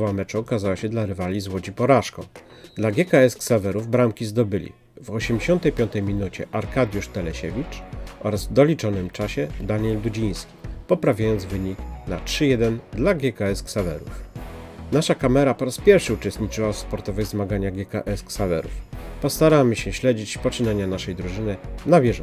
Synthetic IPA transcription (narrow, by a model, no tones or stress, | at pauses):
vamɛt͡ʂuɔkazawaɕɛd̪laɾɘvalʲizwɔd͡ʑipɔɾaʂkɔ̰̃ | d̪laɡʲɛkaɛsksavɛɾuvbɾamkʲizd̪ɔbɘlʲḭ | vɔɕɛmd͡ʑeɕɔnt̪ɛjpʲjɔnt̪ɛjmʲinut͡ɕɛ̰ʔaɾkad̪ʲjuʂt̪ɛlɛɕevʲit͡ʂʔɔɾazvd̪ɔlʲit͡ʂɔnɘmt͡ʂaɕɛd̪aɲɛld̪ud͡ʑij̃skʲi̥pɔpɾavʲjajɔnd̪zvɘɲikna̰tʂɘjɛd̪ɛnd̪laɡʲjɛkaɛsksavɛ̰ɾṵf | naʂakamɛɾapɔɾaspʲjɛɾfʂɘut͡ʂɛst̪ɲit͡ʂɘwasspɔɾt̪ɔvɛjzmaɡaɲaɡʲjɛka̰ʔɛsksavɛ̰ɾṵfpɔst̪aɾamɘɕɛɕlɛd͡ʑit͡ɕpɔt͡ʂɘnaɲanaʂɛjd̪ɾuʐɘnɘnabʲjɛʐ